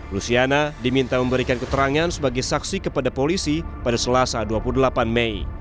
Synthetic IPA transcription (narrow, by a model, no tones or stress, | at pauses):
lusianadimint̪aməmbəɾikankət̪əɾaŋansəbaɡajsaksikəpadapolisipadasəlasaduapuludəlapanmei